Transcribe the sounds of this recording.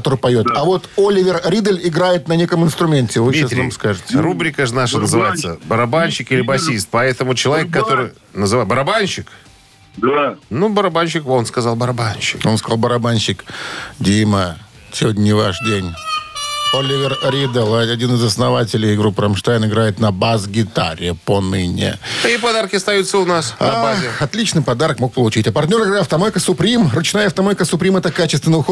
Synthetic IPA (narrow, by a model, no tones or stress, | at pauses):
ɐt̪oɾɨpɐjo̞t̪ɐvo̞t̪olʲɪvʲɪrɾʲid̪əlʲɪɡɾajɪt̪nɐnʲe̞kəmɨɪnst̪ɾʊmʲentʲɪvɨasʲamskaʐɨt̪ʲɪɪrubɾʲɪkəʐɨnaʂənəzɨvajɪt̪səbəɾɐbanʲɕɪkɨlʲɪbɐsʲist̪̚pɐɛt̪əmʊt͡ɕɪlˠɐvʲekːɐt̪oɾɨj | nəzɨvabəɾɐbanɕɪk̪ | nubəɾɐbanɕɪkvonskɐzalˠbəɾɐbanɕɪkonskɐzalˠbəɾɐbanʲɕɪkdʲimə | sʲɪvodʲnʲnʲɪva̰ʂdʲenʲ | olʲɪvʲɪrɾʲid̪əlˠɐɐdʲinɨzɐsnɐvatʲɪlʲɪjɡɾupːɾɐmʂt̪ajɪnɪɡɾajɪt̪nɐbazɡʲɪt̪a̰ɾʲɪəponɨnʲɪ̰ipɐd̪arkʲɪɐst̪ɐjut̪səʊnasabazɪɐt̪lʲit͡ɕnɨjpɐd̪aɾəkmo̞k̚pəlˠʊt͡ɕitʲɐpɐrt̪ʲnʲo̞ɾɨɡɾajɐft̪ɐmojʲɪkəsʊpɾʲimrʊt͡ɕnajəɐft̪ɐmojkəsʊpɾʲimɛt̪əkat͡ɕɪst̪vʲɪnəʊxo